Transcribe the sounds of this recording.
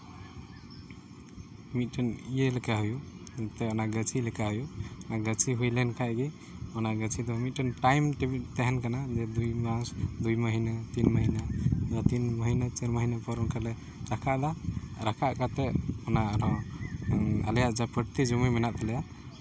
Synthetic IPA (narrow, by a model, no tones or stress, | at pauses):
mit̪̚ʈɔnijelekaɦuju | t̪eɔnaɡət͡ʃʰilekaɦujunaɡət͡ʃʰiɦujlenkʰajɡi | ɔnaɡət͡ʃʰid̪ɔmit̪̚ʈənʈajmʈet̪eɦɛnkanad͡ʒed̪ujmasd̪ujməɦinat̪inməɦinajat̪inməɦinat͡ʃəɾməɦinapɔɾunkale | ɾakʰad̪aɾakʰaʔkat̪eɔnaɾɔ̃ | a̰ljaʔd͡ʒapəʈt̪id͡ʒuməjminat̪əlɛja